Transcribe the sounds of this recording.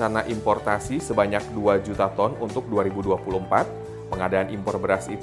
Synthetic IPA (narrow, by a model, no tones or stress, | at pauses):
arnaʔimpɔrt̪asisəbaɲak̚duad͡ʒut̪at̪ɔnunt̪ʊk̚duaɾibuduapulumpat̪̚ | pəŋadaːnimpɔrbəɾasit̪